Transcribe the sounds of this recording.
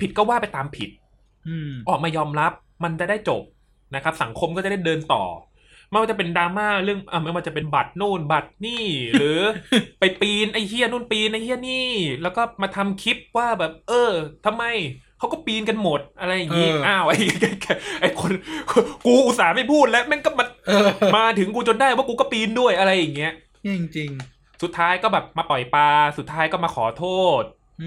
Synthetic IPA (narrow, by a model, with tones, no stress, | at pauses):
pʰi˨˩kɔː˥˩waː˥˩pa˧jt̪aː˧mpʰḭ˨˩t̪̚ː | ʔɔː˨˩k̚maː˧jɔː˧mɾa˦˥p̚ | ma˧nt͡ɕa˨˩daː˥˩jt͡ɕo̰˨˩p̚ | na˦˥kʰa˦˥p̚sa˨˩˦ŋkʰo˧mkɔ˥˩t͡ɕa˨˩da˥˩dɤː˧nt̪ɔ̰ː˨˩ | m˥˩jwaː˥˩a˨˩pe˧ndaː˧maː˥˩ɾɯ˥˩əŋʔa˧˩ma˥˩jwaː˥˩t͡ɕa˨˩pe˧nba˨˩t̪̚nuː˥˩nba˨˩t̪̚niː˥˩ɾɯː˩˦pa˧jpiː˧nʔa˧˥˩jhʰi˥˩ənuː˥˩˨npiː˧nʔa˥˩jhʰi˥˩əniː˥˩lɛː˦˥wkɔː˥˩maː˧t̪ʰa˧mkʰi˦˥p̚waː˥˩bɛː˨˩p̚ʔɤː˧t̪ʰa˧mːa˧jkʰa˦˥wkɔː˥˩piː˧nka˧nmo˨˩t̪̚ʔa˧ɾa˧jːa˨˩ŋːi˦˥ʔaː˧˩wʔa˧jɛː˧˩kɛː˨˩ʔa˧˩jkʰo˧nkkuː˧ʔu˨˩t̪̚saː˩˦ma˥˩jpʰuː˥˩t̪̚lɛ˦˥mɛ˥˩nkɔː˥˩ma˧n˧maː˧t̪ʰɯ˩˦ŋkuː˧t͡ɕo˧ndaː˥˩jwaː˥˩kuː˧kɔː˥˩piː˧ndu˥˩əjʔa˧ɾa˧jːa˨˩ŋːi˦˥ɐ | i˧ŋt͡ɕi˧ŋ | su˨˩t̪ʰːaː˦˥jkɔː˥˩bɛː˨˩p̚maː˧pɔ˨˩jpaː˧su˨˩t̪ʰːaː˦˥jkɔː˥˩maː˧kʰɔː˩˦t̪ʰoː˥˩t̪̚